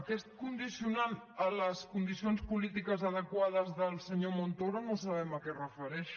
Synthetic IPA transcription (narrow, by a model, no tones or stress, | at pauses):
kɛst̪̚kund̪isiunanələskund̪isionspulit̪ikəzəðəkwað̞əzðəlˠsəɲomont̪oɾonosəβɛməkɛrəfəɾɛʃ